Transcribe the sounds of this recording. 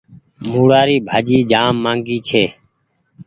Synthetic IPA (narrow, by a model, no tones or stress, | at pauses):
muːɽaːɾiːbʱaːd͡ʒiːd͡ʒaːmːãːŋɡiːt͡ʃʰeː